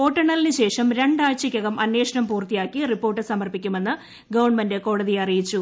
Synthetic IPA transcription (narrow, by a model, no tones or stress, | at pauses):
po̞ːʈːɐɳːɐlinɨɕe̞ːʂɐmɾe̞ɳɖaːt͡ɕɐkʲːɐɣɐmʔɐnwe̞ːʂɐnɐmpuːrt̪ijaːkːiripːo̞ːrʈːɨsɐmɐrpikʲːume̞nːɨ | ɡɐʋɐɳmɐndeko̞ːɽɐðiɐrijit͡ɕːu